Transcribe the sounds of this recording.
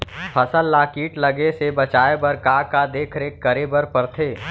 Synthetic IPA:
pʰəsəlːaːkiːʈləɡesebɐt͡ʃaːebəɾkaːkad̪eːkʰɾeːkːəɾebəɾpəɾt̪ʰeː

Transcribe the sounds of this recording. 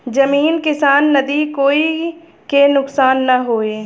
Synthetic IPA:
d͡ʒɐmiːnkɪsaːnːɐd̪ikoːi | kenʊksaːnːɐɦoːeː

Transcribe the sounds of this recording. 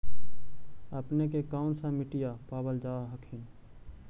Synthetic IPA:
əpnekekaːʊnsãmɪʈɪjapaːbəld͡ʒaːɦəkʰɪn

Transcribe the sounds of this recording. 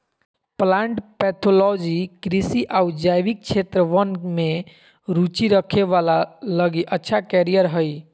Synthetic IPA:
plaɳʈpɛt̪ʰolɔd͡ʒikɾisiʔaud͡ʒajʋik̚t͡ʃʰet̪ɾəʋənme | ɾut͡ʃiɾəkʰeʋalaləɡiʔətːʃʰakɛɾijəɾɦəj

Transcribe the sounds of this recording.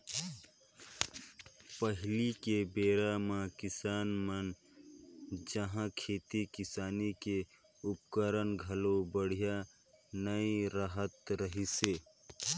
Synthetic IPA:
pəɦɪlikebeːɾamãkɪsaːnmən | d͡ʒəɦãkʰeːt̪ikɪsaːnike | ʊpkəɾənɡʱəlobəɽ̤ija | nəiɾaɦət̪ɾəɦiseː

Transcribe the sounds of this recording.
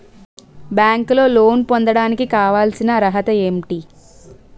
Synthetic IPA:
bjaːŋklo̞ːlo̞ːnpond̪ɐɽaːnikikaːʋaːlsinɐɾɐɦɐt̪ɐemʈi

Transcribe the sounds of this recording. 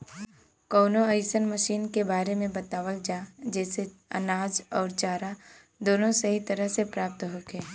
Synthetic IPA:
kɔːnoəɪsənməʃiːnkebaːɾemẽbɐt̪aːʋəld͡ʒaːd͡ʒɛːseɐ̰naːd͡ʒɔːɾt͡ʃaːɾa | d̪oːnõsɐɦit̪əɾəɦsepɾaːp̚t̪ɦoːkeː

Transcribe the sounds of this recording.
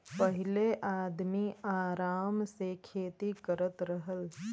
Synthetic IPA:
pəɦɪleʔaːd̪miaːɾaːmsekʰeːt̪ikəɾət̪ɾəɦəl

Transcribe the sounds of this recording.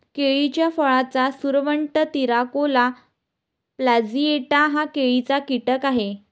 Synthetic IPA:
keɭit͡ɕjafəɭat͡sasuɾʋəɳʈət̪iɾakola | plad͡zieʈaɦakeɭit͡sakiʈəkaɦe

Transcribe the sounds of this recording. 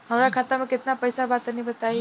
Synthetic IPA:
ɦəmɾakʰat̪amẽket̪napəjsabat̪ənibət̪aj

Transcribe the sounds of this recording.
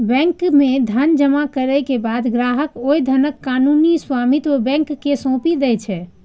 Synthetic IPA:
bɛ̃ŋkmed̪ʱənd͡ʒəmakəɾəkebad̪ɡɾaɦəkojd̪ʱənəkːanunisʋamit̪obɛ̃ŋkːesõpid̪ɛt͡ʃʰɛ

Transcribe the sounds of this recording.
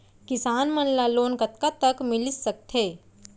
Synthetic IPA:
kɪsaːnmənlaloːnkət̪kat̪əkmɪlisːək̚t̪ʰɦeː

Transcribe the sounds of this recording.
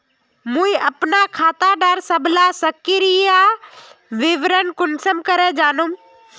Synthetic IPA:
mũĩɐpnakʰaːt̪aɖəɾsɐblasɐkɪɾija | ʋɪʋɾənkʊnsəmkɐɾed͡ʒaːnum

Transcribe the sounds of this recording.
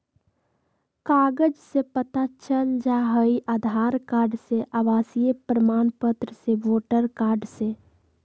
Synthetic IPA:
kaːɡəd͡ʒsepət̪at͡ʃənd͡ʒaɦəiʔaːd̪ʱaːɾkaːɾɖseʔaʋaːsijepɾəmaːnpət̪ɾəseʋoːʈəɾkaːɾɖse

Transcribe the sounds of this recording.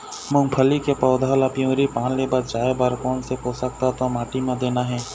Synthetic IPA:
mʊ̃ŋɡpʰəlikepɔːʊd̪ʱaːlapijõɾipaːnlebəɾd͡ʒaːebaɾkɔːnsepoːsək̚t̪at̪omaːʈimãd̪eːnaɦɛː

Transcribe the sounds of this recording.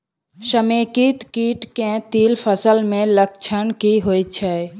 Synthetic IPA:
ʃəmẽːkit̪kiːʈkẽt̪iːlpʰəsəlmẽləkt͡ʃʰənkiɦoːjt͡ʃʰɛ

